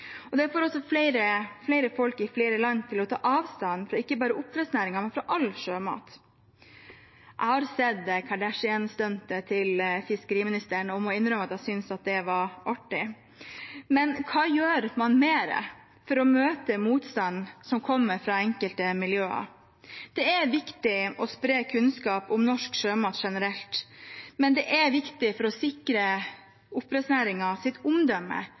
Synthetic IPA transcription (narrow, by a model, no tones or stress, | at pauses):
ɔd̪ɛfoːɾɔsɔfleɪɾəfleɪɾəfɔlkɪfleːɾəlɑnːt̪ʰɪlɔt̪ʰɑ̰ːʔɑːʋst̪ɑnːfɾɑɪkːəbɑːɾəʔʊpːɾɛsnæːɾɪŋɑmɛnfɾɑʔɑlʂøːmɑ̰ːt̪ | ʔæ̰ɪhɑɾsɛd̪kʰɑɖæʂɪɛnst̪œnt̪ət̪ʰɪlfɪskəɾiːmɪnɪst̪æːɳəɔmɔɪnːɾœmːəɑt̪æɪsʏnsɑt̪̚d̪ɛʋɑɾʔɑʈːɪ | mɛnkʰɑːjøːɾmɑnmeːɾə̰ | fɔɾɔmøːt̪əmuːt̪st̪ɑnsɔmkʰɔmːəɾfɾɑːɛŋkəlt̪əmɪljøːɑ̰ | d̪̥ɛæɾʋɪkt̪ɪɔspɾeːkʰʉnskɑːpʊmnɔʂkʂøːmɑʈ̪ʂɛnəɾɛlt̪mɛnd̪ɛʔæʋɪkt̪ɪfɔɾɔsɪkɾə | ʊpːɾɛsnæːɾɪŋɑsɪt̪ʊmd̪œmːə̰